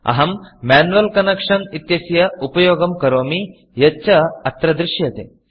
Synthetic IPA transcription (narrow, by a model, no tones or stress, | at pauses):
ɐ̰ɦɐmːaːnuʋɐlkɐnɐkʂɐnit̪jɐsjɐupɐjoːɡɐmkɐɾoːmi | jɐt͡ʃɐɐt̪ɾɐd̪ɾɪʃjɐt̪ḛ